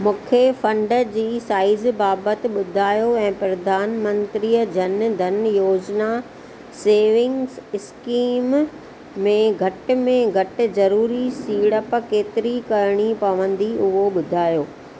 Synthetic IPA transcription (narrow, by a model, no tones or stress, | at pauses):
mũːkʰefɐ̃ɳɖə̆d͡ʑiːsaːɪzbaːbət̪ɪ̆ɓʊd̪ʱaːjoɛ̃ːpɾɐd̪ʱaːnmə̃nt̪ɾijəd͡ʑɐnd̪ʱɐnjoːd͡ʑna | seːʋɪ̃ŋɡsɪskiːmː | ẽɡʱɐʈɪ̆mẽɡʱɐʈɪ̆zɐɾuːɾisiːɽəpkeːt̪ɪɾikɐɾɽ̃ipɐʋə̃nd̪iʊɦoɓʊd̪ʱaːjoː